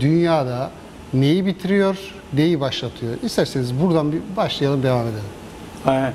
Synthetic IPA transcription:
d̪ynjaːd̪a | ne̞jibit̪ʰiɾijo̞ɾ | ne̞jibaʃlˠat̪ʰɯjo̞ɾist̪ʰæɾsenizbuɾd̪anbibaʃlˠɯjalˠɯmd̪e̞vaːme̞d̪elʲim

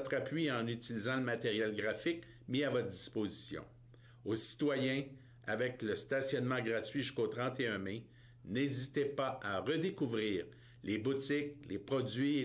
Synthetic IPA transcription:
t̪χapɥiɑ̃nyt͡silizɑ̃ləmat̪eʁjɛlɡʁafɪk | miavɔt̪χd̪i̥spozisjɔ̰̃ | osi̥t̪wajɛ̃ | a̰vɛkləst̪asjɔnmɑ̃ɡʁatɥiʒyskot̪ʁɑ̃t̪eœ̃me | nezit̪epaaʁəd̪ekuvʁiːʁ | lebut͡sɪklepʁɔd͡zɥi

